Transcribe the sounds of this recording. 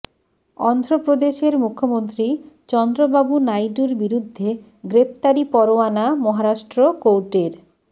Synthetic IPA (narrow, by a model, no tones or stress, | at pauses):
ɔnd̪ɾopɾod̪eʃeɾmukʰːomont̪ɾit͡ɕɔnd̪ɾobabunajɖuɾbiɾud̪ʱːe | ɡɾep̚ʰt̪aɾipɔɾoanamɔɦaɾaʃʈɾokowʈeɾ